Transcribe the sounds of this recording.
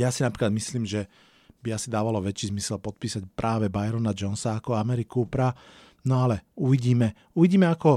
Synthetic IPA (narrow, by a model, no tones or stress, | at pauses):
jaːsinapɾiːklad̪misliːmʒɛ | biasid̪aːʋalɔʋɛt͡ʃiːzmisɛlpɔt̪̚piːsacpɾʔaːʋɛbajɾɔnad͡ʒɔnsaːkɔamɛɾikupɾa | nɔalɛuʋiɟiːmɛ | uʋiɟiːmɛakɔ